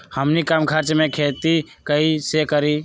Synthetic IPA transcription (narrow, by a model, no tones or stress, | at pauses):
həmnikamkʰaɾt͡ʃmẽkʰeːt̪i | kəisekəɾi